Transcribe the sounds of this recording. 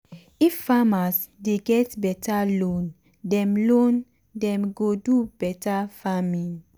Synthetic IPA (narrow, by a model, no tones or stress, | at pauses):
ifːamasdeɡɛtbɛtʰalõn | dɛ̃mlõn | dɛ̃mɡodubɛtafami